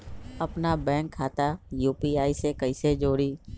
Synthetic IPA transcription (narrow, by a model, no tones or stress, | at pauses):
ɐpnabɛ̃ːŋkʰːaːt̪ajuːpiaːisekəised͡ʒoːɽiː